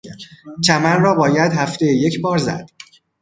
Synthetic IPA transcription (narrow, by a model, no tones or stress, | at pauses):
t͡ʃ̪ʰæmænrɒːbɒːjæd̪ɦæft̪ejeje̞cʰbɒːɾzæ̰d̪̥